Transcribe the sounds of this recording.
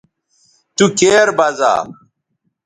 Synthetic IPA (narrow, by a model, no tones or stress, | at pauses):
t̪ukeːɾbɐza̰ː